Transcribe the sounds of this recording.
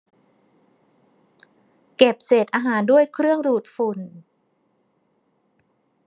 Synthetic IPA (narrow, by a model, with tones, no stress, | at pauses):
ke˨˩p̚seː˨˩t̪̚ʔaː˧ɦaː˩˦ndu˥˩əjkʰɾɯ˥˩əŋduː˨˩t̪̚fu˨˩n